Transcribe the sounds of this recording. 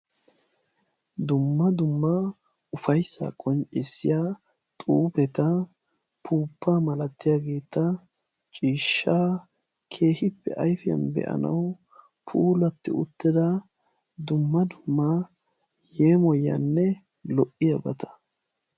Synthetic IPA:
d̪ʊmːɐd̪ʊmːa | ʊfɐjsːa̰kʼɔnt͡ʃʼɪsːɪ̰jaː | t̪ʼuːpɛt̪ɐ | pʰuːpːaːmɐlɐt̪ːɪjaːɡe̞ːt̪ːɐ | t͡ʃʼiːʃːaː | kʰe̞ːhɪpːɛ̰ʔɐjfɪjɐ̰nbɛ̰ʔɐ̰nɐ̰w | pʰuːlɐt̪ːɪʊ̰t̪ːɪd̪ɐ | d̪ʊmːɐd̪ʊmːa | jeːmɔjɐ̰nːɛ | lɔʔɪjɐbɐt̪ɐ̥

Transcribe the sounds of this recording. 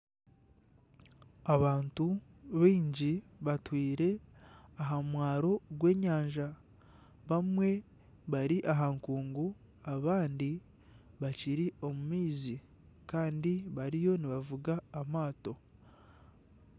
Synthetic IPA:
aβaːntu | βiːɲɟiβatwiːɾe̞aɦamwaːɾo̞ɡwe̞ːɲaːɲʒa | βamwe̞ | βaɾiʔaɦaŋkuːŋɡu | aβaːndi | βaciɾio̞mumiːzi | kaːndiβaɾijo̞niβavuɡaːmaːto̞

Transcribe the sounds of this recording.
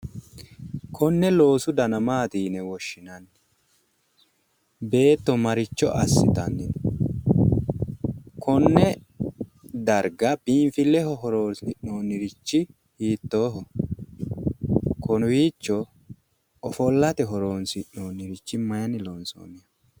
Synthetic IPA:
kʰɔnːɛlo̞ːsʊd̪ɐnɐmaːt̪iːnɛwɔʃːɪnɐnː | be̞ːt̪ːɔmɐɾɪt͡ʃːɔʔɐsːɪt̪ɐnːɪ | kʰɔnːɛ | d̪ɐɾɡɐbiːɱfɪlːɛhɔɦɔɾoːnsɪʔno̞ːnɪɾɪt͡ʃːɪ | hiːt̪ːo̞ːɦɔ | kɔnʊwiːt͡ʃːɔ | ɔfɔlːɐt̪ɛɦɔɾoːnsɪʔːoːnːɪɾɪt͡ʃːɪmɐjɐnɪloːnso̰ːnɪjɐ

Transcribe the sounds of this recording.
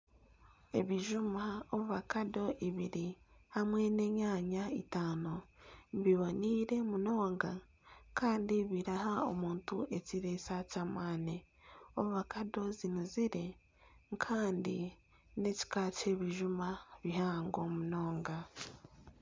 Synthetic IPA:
e̞̰βiʒumaoβuβakado̞ʔiβiɾihamwe̞ne̞ːɲaːɲaḭtaːnoβiβoniːɾe̞muno̞ːŋɡa | kʰaːndiβiɾahao̰muːntuʔe̞ciɾesacamaːne | oβuβakado̞zinuziɾe̞ | kʰaːndi | ne̞ci̥kaːce̞βiʒumaβihaːŋɡo̞muno̞ːŋɡa

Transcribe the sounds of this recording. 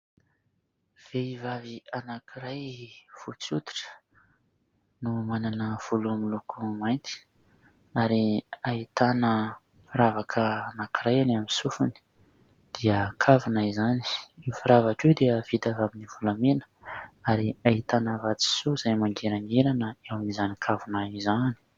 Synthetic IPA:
v̥eivavianakiɾajv̥ut͡sut̪i̥ʈ͡ʂə̥ | numananəv̥ulumilukumajnt̪i̥ | aɾiait̪anə | fiɾavakʰəanakiɾajanaminsufuni̥ | d̪̥iəkʰavunaizani̥ifiɾavaʈ͡ʂewd̪eəv̥id̪avaminivulamenə̥ | aɾiait̪anəvat͡si̥suz̥ajmaŋɡeɾaŋeɾanəewamizanikʰavunaizani̥

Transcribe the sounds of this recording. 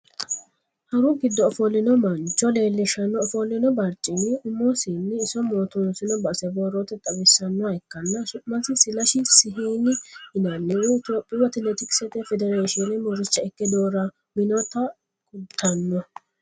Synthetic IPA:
hɐɾʊɡɪd̪ːɔːfɔlɪnɔmɐnt͡ʃʼːɔle̞ːlːɪʃɐnːɔːfɔlɪnɔbɐɾt͡ʃʼɪnɪʊmːɔsiːnːɪːsɔmoːt̪ʊnsɪnɔbɐsɛbɔɾot̪ɛt̪ʼɐbɪsːɐnːɔhɐɪkːɐnːɐsʊmɐnsɪsɪlɐʃɪsɪɦiːnɪhɪnɐnːɛɪɪt̪oːpʼːɪwɐt̪ɪnɛt̪ɪksɛt̪ɛfɛd̪ɛɾeːʃɪɔnɛmɔɾɪt͡ʃːɐɛkːɛd̪oːɾɐ | mɪnɔt̪ɐ | kʊt̪ʰːɐnːɔ

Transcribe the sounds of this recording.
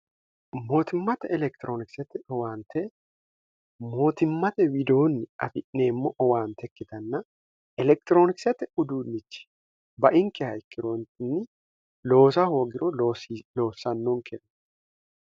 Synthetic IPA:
mo̞ːt̪ɪmːɐt̪ɛɛlɛk̚t̪ɪɾoːnɪksɛt̪ɔwaːnt̪ɛ | mo̞ːt̪ɪmːɐt̪ɛwɪd̪o̞ːnːɪɐ̰fɪʔːeːmːoʔɔwaːnt̪ɛkːɪt̪ɐnːɐ | ɛlɛk̚t̪ɪɾo̞ːnɪksɛt̪ːɛʊd̪uːnːɪt͡ʃːɪ̥ | bɐʔɪŋkɛhɐjkːɪɾont̪ɪnːɪ | lo̞ːsɐho̞ːɡɪɾʔɔlo̞ːsːɐnːoŋkɛnː

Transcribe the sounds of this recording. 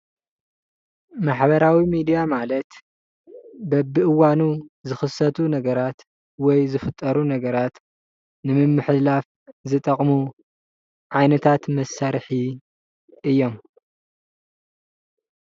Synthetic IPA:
maħbɐɾawimid̪ijamalɐt̪ | bɐbɨʔɨwanuzɨxɨsɐt̪ʰunɐɡɐɾat̪ | wɔjzɨfɨt̪ʼːɐɾunɐɡɐɾat̪ | nɨmɨmːɨħlaf | zɨt̪ʼɐqʼmu | ʕajnɐt̪ʰat̪mɐsːaɾħi | ɨjːo̞m

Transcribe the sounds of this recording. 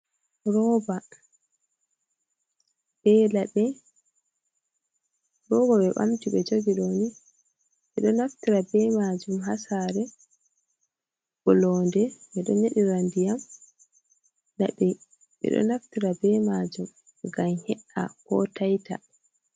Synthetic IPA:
ɾɔːba | ɓɛlaɗɛ | ɾɔbaɓɛɓa̰mtiɓɛd͡ʒoɡiɗoni | ɓɛɗɔnaftiɾabɛmad͡ʒumɦasaɾɛ | ɓɔlɔːndɛɓɛɗɔneɗiɾandijam | la̰ɓɛ | ɓɛ̰ɗɔ̰naftiɾabɛmad͡ʒum | ɡamhɛʔa̰kɔ̰tajta̰

